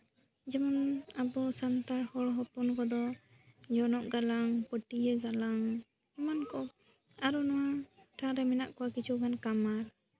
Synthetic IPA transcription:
d͡ʒɛmanabɔsant̪aɾhɔɽɦɔpɔnkɔd̪ɔ | d͡ʒɔnɔʔɡalaŋpəʈijəɡalaŋ | imankɔ | aɾɔnɔwaʈʰaɾɛmɛnaʔkɔwakit͡ʃʰuɡankamaɾ

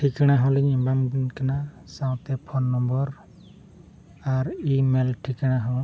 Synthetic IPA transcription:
ʈʰikaɽ̃aɦɔ̃liɲɛmbamkana | sawt̪ɛpʰɔnːɔmbɔɾ | aɾimelʈʰikaɽ̃aɦɔ̃

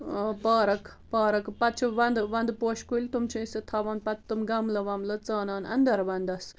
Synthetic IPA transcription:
paːɾɐk | paːɾɐkpɐt̪̚t͡ʃʰiʋɐnd̪ʋɐnd̪poːʃkulʲt̪umt͡ʃʰĩiset̪ʰɐʋɐːnpɐt̪t̪umɡɐmlɐʋɐmlɐt͡saːnaːnɐ̰nd̪ɐɾʋɐnd̪ɐs

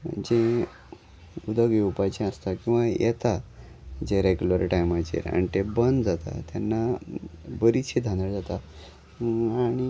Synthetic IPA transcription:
d͡ʑẽ | ud̪əɡeupajt͡ɕẽəst̪akĩw̃ʋajɛ̰t̪a | d͡ʑeɾeɡjuləɾʈajmat͡ɕḭɾa̰ɳ̃t̪ebənd͡zat̪a̰t̪janːa | bəɾit͡ɕʰid̪ʱãnd̪əɽd͡zat̪a | aɽ̃i

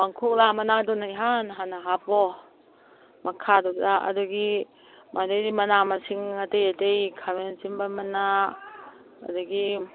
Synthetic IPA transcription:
baŋkʰuk̚lamanadɔnajɦanɦanaɦapɔ | makʰadɔdaa̰duɡi | madejdimɐnamasiŋadejadejkʰawent͡ʃimbamana | a̰duɡi

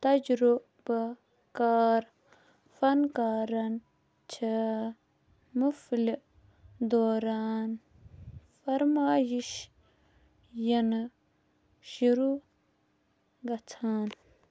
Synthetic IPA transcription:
t̪ɐd͡ʒɾu | ba | kaːɾ | fɐnkaːɾɐn | t͡ʃʰe | mufli | d̪oːɾaːn | fɐɾmaːjiʃ | jɐn | ʃuɾu | ɡɐt͡sʰaːn

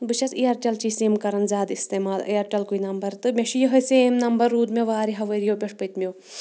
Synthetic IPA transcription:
bɨʃʰɐsijɐɾʈʲɐlt͡ʃiːsiːmkɐɾɐnzʲaːd̪ist̪eːmaːlɐ̰jɐɾʈʲɐlkuinɐmbɐɾt̪ɨmʲeʃijɐɦɐseːmnɐmbɐɾːuːd̪mʲeʋaːɾiɦɐʋəɾjopʲɐʂpɨt̪ʲmʲoː

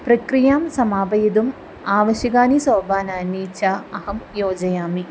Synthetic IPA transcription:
prɐkrijaːmsɐmaːbɐjɐd̪um | aːʋɐɕjɐɣaːnisɐːbaːnaːniːt͡ɕːaːɐhɐmjoːd͡ʑɐjaːmi

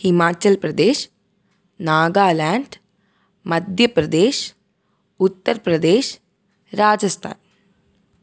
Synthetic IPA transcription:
himaːt͡ʃɐlpɾɐd̪eːʃ | naːɡaːlaːɳɖ | mɐd̪ʱjɐpɾɐd̪eːʃ | ut̪ːəɾpɾɐd̪eːʃ | ɾaːd͡ʒɐst̪ʰa̰ːn

